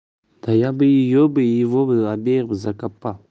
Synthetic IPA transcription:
d̥ajabəjijobəjivobəabeɾbəzakapːa

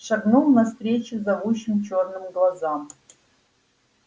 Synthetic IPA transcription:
ʂɐɡnulˠnɐst̪rʲeːt͡ʃʰɪzɐʁuʃɪmt͡ʃʰoːrnɨmɡlˠazam

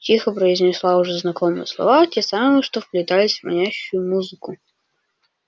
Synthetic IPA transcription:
tʲixəpɾəɪzʲnʲɪslˠaʊʐɛznɐkɔmɨjəslˠɐ̰vatʲɛsamɨjəʂt̪ɔfplʲʊt̪alʲɪsʲvmɐ̰nʲaɕːʊjʊmuzɨkʊ

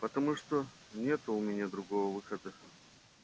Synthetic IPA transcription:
pət̪ɐmuʂt̪o | nʲet̪ʊʊmʲɪnʲad̪ɾʊɡo̞vəvɨxəd̪ə

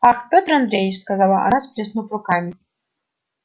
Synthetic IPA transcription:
axpʲot̪rand̪ɾʲejɪt͡ʃskazalˠaʔa̰nasplʲesnupɾʊkamʲi

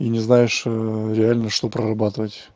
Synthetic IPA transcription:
inʲɪznajɪʂɾʲɪalʲnəʂt̪opɾərɐbat̪ɨvətʲ

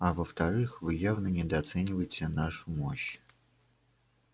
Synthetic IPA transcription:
ɐvəft̪ɐɾɨxvɨjavnənʲɪd̪əɐt̪sɛnʲɪvəjɪtʲɪnaʂʊmoɕ

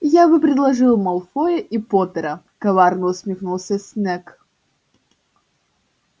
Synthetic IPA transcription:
jabɨpɾʲɪd̪lˠɐʐɨlˠmɐlˠfojəʔipot̪əɾə | kɐvarnəʊsʲmʲɪxnulˠsʲəsʲnʲɛk

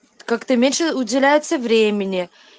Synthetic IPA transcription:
kakt̪əmʲenʲʂəʊdʲɪlʲæjʊt̪səvɾʲemʲɪnʲɪ

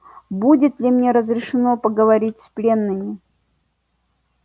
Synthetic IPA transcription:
budʲɪt̪lʲɪmnʲe̞ɾəzɾʲɪʂɨno̞pəɡəvɐɾʲitʲsʲplʲe̞nːɨmʲɪ

